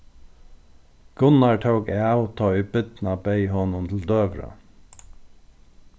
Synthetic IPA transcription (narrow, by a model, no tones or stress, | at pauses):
ɡ̥ʊnɑʈʰəʊɡeːɑʊt̪ʰɑːyːbʏt̪n̩ɑːbeɪhɔnʊnt̪ʰl̩d̪øːʋɾə̰